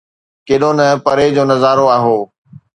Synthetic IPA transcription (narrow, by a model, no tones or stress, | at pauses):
keːɗonɐpɐɾed͡ʑoːnɐzaːɾoaːɦoː